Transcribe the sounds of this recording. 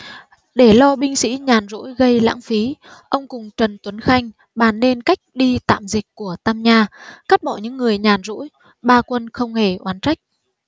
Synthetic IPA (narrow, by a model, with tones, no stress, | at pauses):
ɗe˧˩lɔ˧ɓï˧ŋ̟sḭ˧˥ɲaː˨˩nzṵ˧˥jɣə˧jla̰ː˧˥ŋfi˨˦ʔə˧wŋ͡mkʊ˨˩ŋ͡mt͡ɕə˨˩nt̪wə˨˦nxa˧jŋ̟ | ɓaː˧˩nːe˧nka˦˥jk̟̚ɗi˧t̪a̰ː˧˨mzï˨˩k̟̚ku˧˩ət̪a˧mɲaː˧ka˦˥t̚ɓɔ˧˩ɲɨ̰˧˥ŋːɨ˨˩əjɲaː˨˩nzṵ˧˥j | ɓaː˧kwə˧nxə˧wŋ͡mhe˧˩ʔwaː˨˦nt͡ɕa˦˥jk̟̚